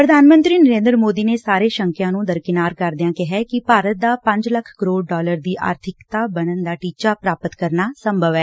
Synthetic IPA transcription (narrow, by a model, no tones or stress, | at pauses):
pɾəd̪ʱaːnmə̃nt̪ɾiːnəɾẽːnd̪ɾəmoːd̪iːneːsaːɾeːʃəŋkjãːnũːd̪əɾkɪnaːɾkəɾd̪ɪjãːkɪɦɛːkɪpaːɾət̪̚d̪aːpə̃ɲd͡ʒləkʰkəɾoːɽɖɔːləɾd̪iːʔa̰ːɾt̪ʰɪkt̪aːbənənd̪aːʈiːt͡ʃaːpɾaːpət̪kəɾnaːsəmbʱəʋɛː